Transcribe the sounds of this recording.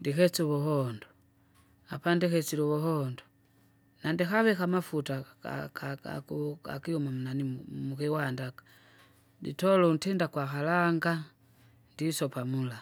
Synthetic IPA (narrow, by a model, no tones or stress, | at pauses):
ndikɛt͡suβɔhɔndɔ | apandikɛt͡silɔβɔhɔndɔ | nandikaβɛkamafuta̰kaa̰kuka̰kiɔmam̩unanimukɛwandakḁ | dḭtɔlɔuntɛndakwakalaŋɡa | ndisɔpamula